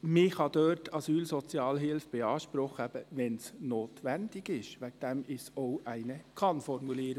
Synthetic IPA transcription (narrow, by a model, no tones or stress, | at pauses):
mɪxhɑd̪øːtʰɑsyːlsɔt͡sjɑːlɦɪlfb̥eɑːʃpɾɔχəæb̥əʋɛnsnoːt̪ʋænd̪ɪɡɪʃʋæk̚d̥̪ɛmɪsoʊʔæɪnəkʰɑnfɔɾmuliːəɾə